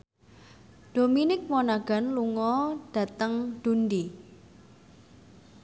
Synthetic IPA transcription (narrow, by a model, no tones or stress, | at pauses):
d̥o̤minɪk̚monaɡ̥a̤nluŋɔɖ̥ä̤t̪əŋɖ̪̥undi